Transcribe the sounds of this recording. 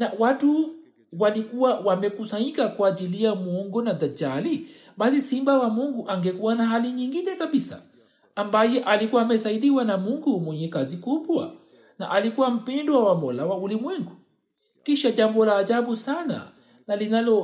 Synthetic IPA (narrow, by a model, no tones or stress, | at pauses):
nawatu | walikuwawamɛkusaɲikakwad͡ʒilijamuɔŋɡɔnad̪ad͡ʒali | bas̬isimbawamuŋɡuʔaŋɡɛkuwanaɦaliɲiŋɡinɛkaɓisa̰ː | mbajɛʔalikuwamɛsaiɗiwanamuŋɡumwɛɲɛkazikubwa̰ | na̰ʔalikuwam̩pɛndɔwawamɔlawaulimwɛŋɡu | kiʃad͡ʒambɔlaːd͡ʒabusana̰ | nalinalɔ